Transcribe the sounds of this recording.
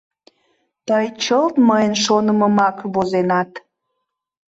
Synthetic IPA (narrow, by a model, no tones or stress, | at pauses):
t̪əjt͡ɕəlt̪məjənʃonəməmɑkβozenɑt̪